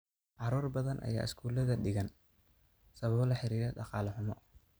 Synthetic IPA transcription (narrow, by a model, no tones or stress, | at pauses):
ʕɑɾuːrbɐðɐnʔɐ̰ja̰ːʔɪskʰuːlɐðɐɖɪɣɐn | sɐβɐβlɐħɪɾiːɾɛɗɑqɑːlɐħʊmɔ